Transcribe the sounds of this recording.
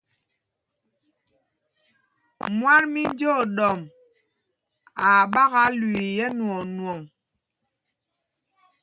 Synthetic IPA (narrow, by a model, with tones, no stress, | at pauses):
mwa˦nmi˦n˦d͡ʒo˦˨ɗɔ˨m | a˨ɓa˦ɣa˨˦lwi˨jɛ˦nwɔ˨nwɔ˨ŋ